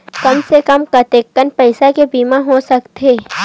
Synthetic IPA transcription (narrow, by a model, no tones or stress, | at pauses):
kɐmsekəmkɐt̪eːkːənpɐɪsakebiːmãɦosɐkt̪ʰeː